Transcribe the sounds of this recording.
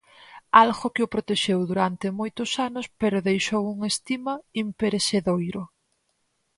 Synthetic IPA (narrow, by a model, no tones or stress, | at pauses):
alɣokɪopɾot̪eʃewðuɾant̪emojt̪ʊsanʊspeɾʊðejʃowuŋest̪imaimpeɾeseðojɾʊ